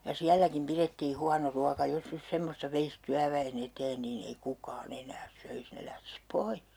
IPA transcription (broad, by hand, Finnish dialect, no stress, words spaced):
jɑ siælːækim piretːiː huɑno ruɑkɑ jos nys semːostɑ ʋeis tyæʋæen eteːn niːn ei kukɑːn enæːs søis ne læhtis poih